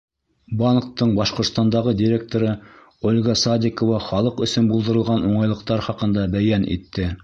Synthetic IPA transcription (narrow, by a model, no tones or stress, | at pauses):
bɑnqt̪ːɤɴbɑʃqŏɾt̪st̪ɑnd̪ɑʁɤd̪ʲiɾʲek̚t̪oɾɤ | olʲɡɑsɑd̪ʲɪkovɑχɑlˠɤqɵ̆sɵnbulˠd̪ɤ̆ɾɤ̆lˠʁɑnuɴɑjlˠɤ̆q̚t̪ɑɾχɑqɤ̆nd̪ɑbæjænḭt̪ːɘ